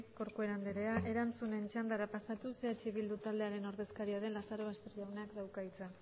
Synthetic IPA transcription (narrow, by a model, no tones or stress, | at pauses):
sko̞ɾkoe̞ɾand̪eɾe̞aʔe̞ɾant͡sune̞nt͡ʃand̪aɾapasat̪useat͡ʃiβild̪ut̪ald̪eaɾe̞no̞ɾðe̞skaɾiaðe̞nlasaɾo̞βast̪erʎawneakd̪awkait͡sa